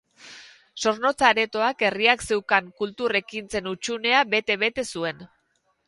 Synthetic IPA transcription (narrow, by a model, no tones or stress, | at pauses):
so̞ɾno̞t͡saɾe̞t̪o̞ake̞riakse̞wkaŋkult̪ure̞kint͡se̞nut͡ʃune̞aβe̞t̪e̞βe̞t̪e̞sue̞n